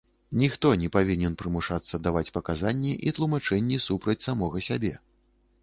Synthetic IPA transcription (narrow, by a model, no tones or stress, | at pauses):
nʲixt̪ɔnʲɛpavʲinʲɛnpɾɨmuʂat̪sːɐd̪avat͡sʲpɐkazanʲːiʔit̪lˠumat͡ʂɛnʲːisupɾɐt͡sʲsamɔɣɐsʲabʲɛ